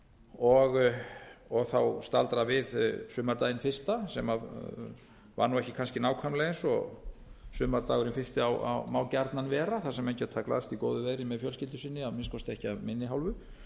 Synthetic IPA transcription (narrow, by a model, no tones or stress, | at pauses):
ɔɣ | ɔɣθawst̪alt̪ɾavɪðsʏːmaɾt̪ajɪnfɪr̥st̪asɛmað | va̰ɾnuwɛhcɪkʰanscɪnaːwkʰvamlɛɣnsɔ̰ | sʏːmaɾt̪aːɣʏɾɪnfɪst̪ɪawa̰wmawcaɾt̪nanvɛːɾaθasɛmej̪cɪat̪ʰaːkla̰ðst̪ikoːwðʏveːðɾɪmɛðfjœlscɪlt̪ʏsɪnːɪaðmɪnskɔst̪ɛhcɪaðmɪnːɪɦawlvʏ